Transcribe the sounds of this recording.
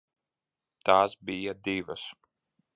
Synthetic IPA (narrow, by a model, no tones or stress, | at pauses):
t̪aːsbijad̪ivɐs